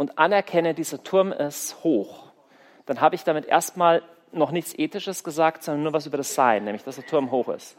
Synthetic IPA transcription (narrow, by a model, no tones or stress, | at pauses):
ʔʊntʔanɛɐkʰɛnədiːzɐtʰʊɐmɛshoːx | d̥anɦaːbəɪçd̥amɪtʔḛːɐstmaːl | nɔχnɪçt͡sʔeːtɪʃəsɡ̥əzaːk̚tz̥ɔndɐnːuɐvaːs̬ʔyːbɐɾdasz̥aɪnːɛːmlɪçd̥asd̥eːɐtʰʊɐmɦoːxɪ̰st